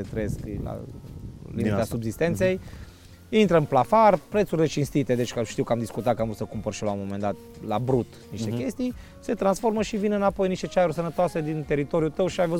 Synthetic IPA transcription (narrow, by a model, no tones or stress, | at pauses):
et̪ɾeeskla̰ | lḭmit̪asubzist̪e̞nt̪sej | int̪ɾəɨnplafarpɾet̪surʲlet͡ʃinst̪it̪e̞d̪e̞t͡ʃʲkəʃt̪iwkəamd̪iskut̪at̪kamvɾusəkumpərʃilamo̞me̞nd̪at̪ | labɾut̪niʃt̪ekʲe̞st̪ij | se̞t̪ɾansfo̞rməʃivinɨnapo̞jniʃt̪e̞t͡ʃaeɾusənət̪oase̞d̪int̪e̞ɾit̪o̞ɾijut̪əwʃiajvəz